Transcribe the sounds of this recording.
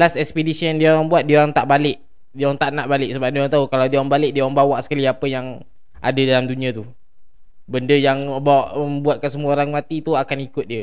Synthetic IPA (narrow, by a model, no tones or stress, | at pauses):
lasɛkspedisijandiaoɾaŋbuat̪̚dioɾaŋt̪aʔbalɪʔ | diəoɾaŋt̪aʔnaʔbalɪʔ̚səbap̚dioɾaŋt̪aukalawdiaoɾaŋbalɪʔ̚diaoɾaŋbawaʔsə̥kaliapəjaŋ | ʔa̰dadalamduniat̪u | bəndəjaŋbaʔəmbuat̪̚kansəmuəoɾaŋmat̪it̪uakanikʊt̪̚diə